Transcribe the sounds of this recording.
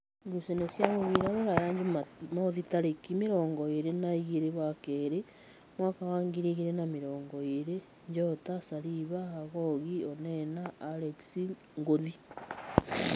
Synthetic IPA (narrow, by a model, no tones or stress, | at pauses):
ɡusenosjaβoβiɾaβoɾajaɲd͡ʒumoðitaɾekimeɾoːŋɡɔeɾenaiɣeɾeβwakeːɾe | mwaːkawaːŋɡiɾiɣiɾenamiɾoːŋɡɔeɾe | ɲd͡ʒotasaɾiβaaɣoɣionɛnaːɾeksi | ŋɡoði